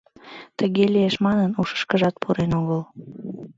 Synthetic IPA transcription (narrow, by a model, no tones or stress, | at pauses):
t̪əɣelijeʃmɑnənuʃə̥ʃkəʒɑt̪̚pʰuɾenoɣəl